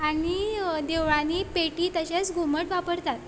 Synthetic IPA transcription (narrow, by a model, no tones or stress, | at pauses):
anid̪eʋɭãnipeʈiːt̪əɕat͡sɡʱuməʈʋapəɾt̪at̪